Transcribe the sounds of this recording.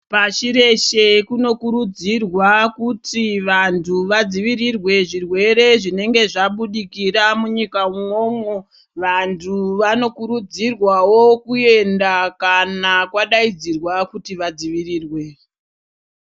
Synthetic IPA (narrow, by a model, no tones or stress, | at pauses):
pat͡ʃiɾe̞ʃe̞kuno̞kuɾud͡zirwakutiʋantʰuʋad͡ziʋiɾirwe̞ʐirwe̞ɾe̞ʐine̞ŋɡe̞ʐaɓuɗikiramuɲikauŋo̞ːmo | ʋantʰuʋano̞kuɾud͡zirwawo̞kue̞ndakanakwaɗaid͡zirwakutiʋad͡ziʋirirwe̞